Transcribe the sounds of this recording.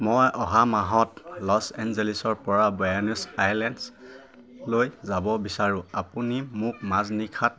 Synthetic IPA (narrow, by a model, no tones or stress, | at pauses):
mɔjʔɔɦamaɦɔtlɔsɛnzelisɔɹpɔɹabɔjanusajlɛnds | lojzabɔbisaɹʊ̃apunimʊk̚maznikʰat̚